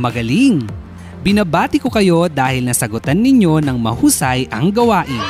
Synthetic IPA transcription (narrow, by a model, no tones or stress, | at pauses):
mɐɡɐliŋ | bɪnɐbaːt̪ɪko̞kɐjo̞d̪aːhɪlnɐsɐɡʊt̪anːɪɲo̞nɐŋmɐhuːsɐjʔɐŋɡɐwaːʔɪn